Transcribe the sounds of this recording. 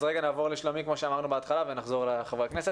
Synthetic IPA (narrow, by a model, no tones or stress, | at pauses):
zʁeɡanaːvo̞ʁleʃlomikmo̞ʃeamaʁnubeat̪χalavenaχzo̞ʁleχavʁekneset